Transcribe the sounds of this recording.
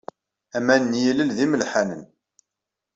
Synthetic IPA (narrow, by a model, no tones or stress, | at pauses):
æmænːjiləlðiməlħænən